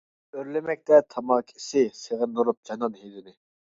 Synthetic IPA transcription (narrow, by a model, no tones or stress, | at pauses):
øɾlɪmɛk̚ʲt̪ɛt̪ʰɑmɑkʲʰisɪseʁənoɾup̚d͡ʒɑnɑnhed̪ɪnɪ